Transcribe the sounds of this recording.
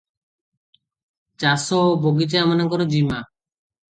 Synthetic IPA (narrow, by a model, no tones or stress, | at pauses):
t͡ʃasɔboɡit͡ʃaamanaŋkɔɾɔd͡ʒima